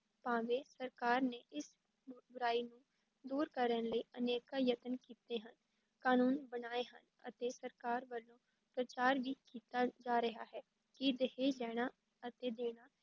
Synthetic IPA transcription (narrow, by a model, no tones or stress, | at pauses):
pãːʋeːsəɾkaːɾneːʔɪs | bʊɾaːiːnũː | d̪uːɾkəɾənləiːʔəneːkaːjət̪ənkiːt̪eːɦən | kaːnuːnbənaːeːɦə̰n | ə̰t̪eːsəɾkaːɾʋəlːõː | pɾət͡ʃaːɾʋiːkiːt̪aːd͡ʒaːɾəɦaːɦɛː | kɪd̪əɦeːlɛːɽ̃aː | ət̪eːd̪eːɽ̃aː